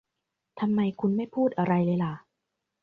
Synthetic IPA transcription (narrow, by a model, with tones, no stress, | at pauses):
t̪ʰa˧mːa˧jkʰu˧nma˥˩jpʰuː˥˩t̪̚ʔa˧ɾa˧jlɤː˧jla˨˩˦